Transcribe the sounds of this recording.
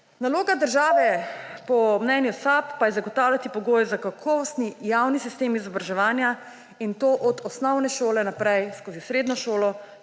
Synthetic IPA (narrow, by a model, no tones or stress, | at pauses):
naloːɡad̪əɾʒaːʋɛpɔmnɛnjusapːajɛzaɡɔt̪aːwljat̪ipɔɡoːjzakakʰɔʋɔst̪nijawnisist̪eːmizɔbɾaʒɛʋaːnja | int̪oʔɔd̪ɔsnɔwnɛʃoːlɛnapɾɛjskoːzisɾeːd̪nɔʃoːlɔ